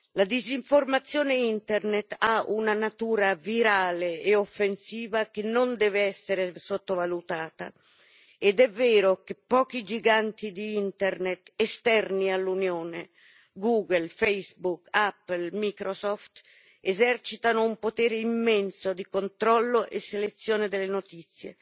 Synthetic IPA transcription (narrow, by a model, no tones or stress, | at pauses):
lad̪iziɱformat̪sːjoːneint̪ɛrnet̪aʔunanat̪uːɾaviɾaːleeofːensiːvakenːond̪ɛːveɛsːeɾesot̪ːovalut̪aːt̪a̰ | ed̪ɛvːeːɾokepːɔːkid͡ʒiɡant̪id̪iint̪ɛrnet̪est̪ɛrnialːunjoːne | ɡuːɡelfejsbukapːelmikɾosɔft̪ | ezɛrt͡ʃit̪anoumpot̪ɛːɾeimːɛnsod̪ikont̪ɾɔlːoʔḛsːelet̪sːjoːned̪elːenot̪it̪sːjḛ